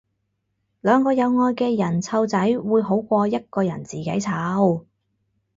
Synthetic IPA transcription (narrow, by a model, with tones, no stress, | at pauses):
lœː˨˧ŋkɔː˧jɐ˨˧wŋɔː˧jkɛː˧jɐ˨˩nt͡sʰɐ˧wt͡sɐ˨˥jwuː˨˧jɦo˨˥wkʷɔː˧jɐ˥t̚kɔː˧jɐ˨˩nt͡siː˨˩ke˨˥jt͡sʰaː˨˥w